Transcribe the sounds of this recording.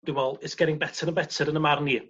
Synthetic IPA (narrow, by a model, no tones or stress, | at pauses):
d̥ɪwɛlˠɪsɡ̥ɛɾɪŋbɛtʰəɾənbɛtʰəɾənəmarni